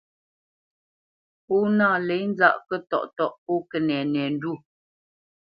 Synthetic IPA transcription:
po˦naː˦˨le˨˦jn˦za̰˦ʔkə˦tɔ̰˦˨ʔtɔ˦˨ʔpɔ˦kə˨nɛ˨nɛ˨n̩˦du˦˨

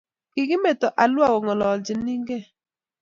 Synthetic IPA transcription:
kɪ˨kɪ˦me˨tɔ˨ʔa˨lʊ˦a˦wɔ˨ŋɔ˨lɔ˨d͡ʒɪ˨ni˦ŋɡɛ˦˨

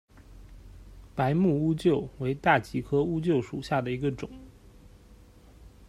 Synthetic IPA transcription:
pa˧˥ɪmu˥˩u˥t͡ɕjo˥˩ʊwe˧˥ɪt̪a˥˩t͡ɕi˧˥kʰɤ˥u˥t͡ɕjo˥˩ʊʂu˨˩ɕja˥˩d̪ə˩i˧˥ɡə˧ʈ͡ʂʊ˨˩˦ŋ

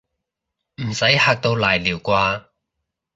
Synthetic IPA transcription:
m̩˨˩sɐ˨˥jhaː˧k̚t̪o˧wlaː˨˩jliː˨˩wkʷaː˧

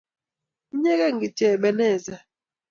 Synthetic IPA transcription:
ɲɛ˦kɛ˦˨ŋ˨ɡi˨tɛː˨ɓɛ˨nɛ˦˨zɛ˦

